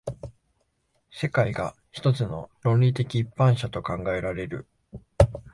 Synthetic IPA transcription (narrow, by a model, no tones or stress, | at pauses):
se̞kaiɡa | çi̥t̪o̞t͡sɨno̞̰ɾõ̞nɾʲit̪e̞kʲiːpːãɰ̃ɕat̪o̞kãŋɡae̞ɾaɾe̞ɾɯ̟̰